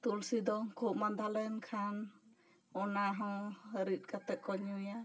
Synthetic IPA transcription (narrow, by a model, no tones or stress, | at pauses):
t̪ulsid̪ɔkʰup̚mand̪ʱalɛnkʰan | ɔnaɦɔ̃wəɾit̪̚ˀkat̪ɛkɔɲuja